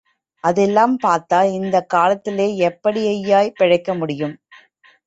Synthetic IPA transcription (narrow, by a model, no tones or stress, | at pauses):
ʔɐðɛlːaːmpaːɾt̪aːlɪnd̪ɐkːaːlɐt̪ːɪleːɛpːɐɽɪɐjːaːjpɪɻɐɪkːɐmʊɽɪjɯm